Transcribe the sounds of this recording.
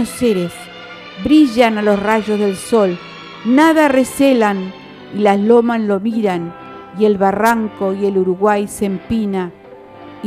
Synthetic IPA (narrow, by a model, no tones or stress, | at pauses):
oseɾes | bɾiʒanalo̞sraʒo̞zðe̞lso̞l | naðareselan | ilaslomaslo̞miɾan | ie̞lβaraŋko̞ieluɾuɣwajsempina